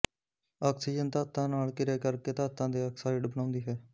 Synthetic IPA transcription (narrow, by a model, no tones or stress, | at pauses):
aːksiːd͡ʒənt̪aːt̪ːãːnaːlkɪɾeːkəɾkeːt̪aːt̪ːãːd̪eːəksaːɪɖbənãːnd̪iːɦɛː